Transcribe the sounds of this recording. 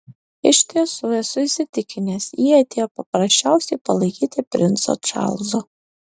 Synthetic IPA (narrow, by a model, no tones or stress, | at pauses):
ɪʃʲt̪ʲiɛsuːɛsʊɪsʲɪt̪ʲɪkʲɪnʲeːsjiːɐt̪ʲeːjoːpɐpɾɐsʲt͡ʃʲæʊsʲɛɪpɐlˠɐɪkʲiːt̪ʲɪpʲɾʲɪnt̪so̰t͡ʃɑ̰lˠzo